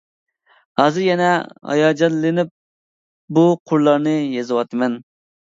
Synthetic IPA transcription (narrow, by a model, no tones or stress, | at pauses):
hɑːzɨɾjɛnɛhɑ̰jɑːd͡ʒɑnlɪnɪp̚ | buqʰʊɾlˠɑɾnɨjezɨwɑt̪ʰɨmɛn